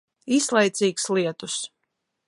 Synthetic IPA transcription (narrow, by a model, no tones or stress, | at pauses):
islˠɛjt̪siːksliɛt̪us